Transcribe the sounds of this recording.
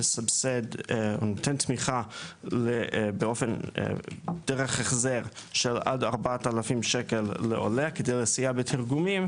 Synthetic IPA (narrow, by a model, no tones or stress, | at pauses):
sabsedonot̪ʰent̪miχalebeofen̰ | d̥eʁeχeχzeʁʃela̰daʁbatalafimʃekelːeʔo̰lekedejlesijabetʰiʁɡumim